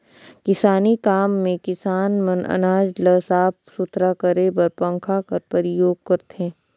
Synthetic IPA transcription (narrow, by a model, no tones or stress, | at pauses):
kɪsaːnikaːmːẽkɪsaːnmɐnɐ̰naːd͡ʒləsaːp̚sʊt̪ʰɾakɐɾebɐɾpɐ̃ŋkʰakɐɾpɐɾɪjoːɡ̚kɐɾt̪ẽː